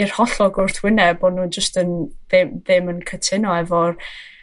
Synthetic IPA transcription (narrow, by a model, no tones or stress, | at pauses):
ɪr̥hɔɬɔɡʊrθwɪnɛbodnuːnd͡ʒəstənðɪmðɪmənkʰətʰɪnɔɛvɔr